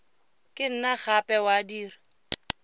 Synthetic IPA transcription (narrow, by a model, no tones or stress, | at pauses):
kʼɪn̩naɣapʼɛwadiːri